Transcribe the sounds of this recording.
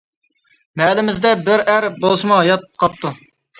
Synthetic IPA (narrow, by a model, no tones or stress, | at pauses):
mɛlɪmɪzd̪ɛbɪɾæɾbolˠsɨmuɦɑjɑt̪̚qʰɑp̚t̪ʰu